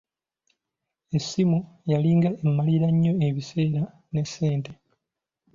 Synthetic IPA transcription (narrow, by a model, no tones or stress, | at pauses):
e̞sːimujaliːŋɡaʔe̞mːaliɾaɲːo̞e̞βise̞ːɾa | ne̞sːe̞ːnte̞